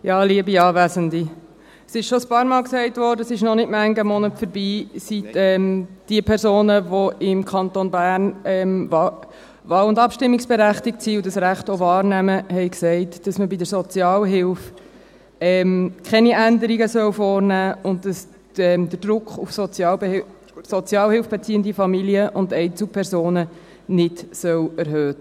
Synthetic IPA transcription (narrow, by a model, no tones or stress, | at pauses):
jɑːliəbiɑːvæsəndi | sɪʃʃɔəspɑːɾmɑːlksɛɪtʋɔːɾdəsɪʃnɔnɪtmæŋɡəmɔnətfəɾbiːsitɛmd̥iəpʰɛɾsoːnəʋoɪmkʰɑnt̪onbæːɾnɛm | ʋɑːlʊndɑpʃtɪmːiksb̥ɛɾæχtɪk̚tsiːudɑsɾæχtoʋɑːɾnæməɦɛɪksɛɪtd̥ɑsməbidəɾsɔt͡sjɑːlɦɪlf | ɛmkʰχɛniʔændəɾiɡəsœwfɔːɾnæːʊnt̚dɑs | ɛd̥əɾd̥ɾʊkχufsɔt͡sjɑː | sɔt͡sjɑːlhɪlfb̥et͡siːəndifɑmiliəʔʊndɛɪt͡supʰɛɾzoːnə | nɪtsœwæɾɦøːt